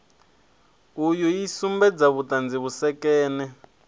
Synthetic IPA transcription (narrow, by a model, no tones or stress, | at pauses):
ujujisumbɛd͡zaβutand͡ziβusɛkɛːnɛ